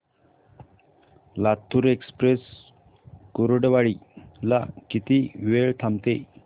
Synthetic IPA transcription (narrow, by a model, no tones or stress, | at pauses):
lat̪ʰːuɾekspɾes | koɾoɖʋaɭilakit̪iʋeɭt̪ʰamt̪e